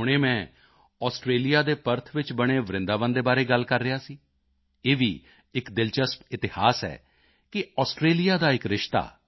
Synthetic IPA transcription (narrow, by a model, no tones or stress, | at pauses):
ɦʊɽ̃eːmɛ̃ː | ɔːsʈɾeːlijaːd̪eːpəɾt̪ʰʋɪt͡ʃbəɽ̃eːʋɾɪ̃nd̪aːʋənd̪eːbaːɾeːɡəlkəɾːɪjaːsiː | eːʋḭː | ɪkd̪ɪlt͡ʃəspɪt̪ɪhaːsɛ̰ː | kɪɔːsʈɾeːlɪjaːd̪aːɪkɾɪʃt̪a̰ː